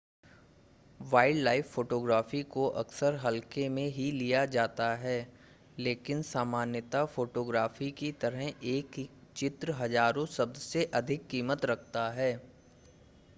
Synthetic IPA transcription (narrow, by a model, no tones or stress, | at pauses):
ʋaːɪɖlaːɪfːoːʈoːɡɾaːfikoʔɐ̰ksəɾɦɐlkemẽɦilijad͡ʒaːt̪aɦɛː | leːkɪnsaːmaːnjət̪afoːʈoːɡɾaːfikit̪ɐɾəɦeːkt͡ʃɪt̪ɾəɦɐzaːɾõsɐb̚d̪seʔɐd̪ʱɪkːiːmət̪ɾɐk̚ʰt̪aɦɛː